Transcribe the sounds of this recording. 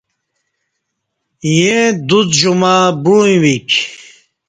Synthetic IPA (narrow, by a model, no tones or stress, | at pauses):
jed̪ut͡sʒumaːbuj̃wik